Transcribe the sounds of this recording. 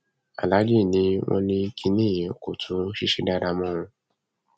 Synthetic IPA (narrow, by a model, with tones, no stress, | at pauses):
a̰˨la˨˦d͡ʒi˦˨nĩ˨˦w̃ɔ̃˦nĩ˦ki˧nĩ˦˨je˨o˨ko̰˨tʰũ˨˦ʃi˦ʃe˧da˦ɾa˧mɔ̃˦ɔ̃˧